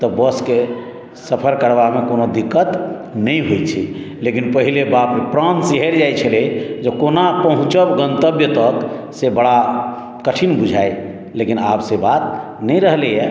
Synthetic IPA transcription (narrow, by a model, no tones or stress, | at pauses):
t̪ɔbəske | səpʰəɾkəɾbamekonod̪ikːət̪ | nəjɦojt͡ʃʰḭ | lekinpəɦilebappɾãnsiɦeɾd͡ʒajt͡ʃʰəled͡ʒekonapəɦũt͡ʃəbɡə̃nt̪əbjət̪ək | sebəɽa | kəʈʰinbud͡ʒʱaj | lekinapsebat̪̚ | nəjɾəɦlejɛ